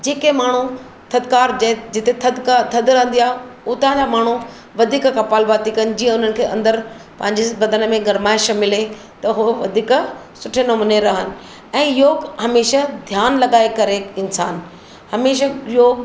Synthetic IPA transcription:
d͡ʑeːkemaːɳ̤u | t̪ʰɐd̪kaːɾd͡ʑɛ̃d͡ʑɪt̪et̪ʰɐd̪kat̪ʰɐd̪ɾɐɦə̃n̆d̪iaːɦɪʊt̪aɦd͡ʑamaːɳ̤u | ʋɐd̪ʱiːkkɐpaːlbaːt̪ikɐnɪ̆d͡ʑiːə̃ʊn̤ənɪ̆kʰeːɐ̰̃nd̪əɾ | pɐ̃ɦɪ̃ɲd͡ʑebɐd̪ʱənəmẽɡɐɾmaːɪʃmɪle | t̪ɐɦʊʋɐd̪ʱiːk | sʊʈʰenɐmuːneɾɐɦənɪ̆ | ɛ̃ːjoːɡɦɐmeːʃad̪ʱjaːnlɐɠaːekɐɾeɪnsa̰ːn | hɐmeːʃ̬əjoːɡ

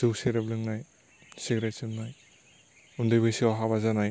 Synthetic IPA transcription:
zɯwsiɡɾeblɯŋnaj | siɡɾesɯnːaj | undɯjbɯjsiɔɦaβazanaj

